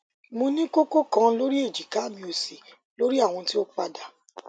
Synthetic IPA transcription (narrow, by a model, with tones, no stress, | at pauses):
mũ˧˦nĩ˦ko˦ko˦kã˦lo˦ɾi˦e˦˨d͡ʒi˨ka˨˦˨mĩ˧o˨si˨ | lo˦ɾi˦a˦˨w̃ɔ̃˧ti˦o˦k͡pa˧da˨